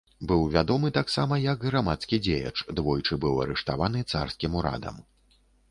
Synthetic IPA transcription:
bɨwvʲad̪ɔmɨt̪aksamɐjɐɡɣɾamat̪skʲid͡zʲejɐ̰t͡ʂd̪vɔjt͡ʂɨbɨwɐ̰ɾɛʂt̪avan̪ɨt̪sa̰rskʲimuɾa̰d̪ɐ̰m

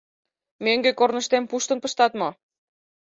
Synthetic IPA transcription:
møŋɡekornə̆ʃt̪empuʃt̪ə̆npəʃt̪ɑt̪mo

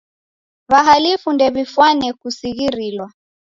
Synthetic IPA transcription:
βaɦalifundɛβifwanɛkusiɣiɾilwa

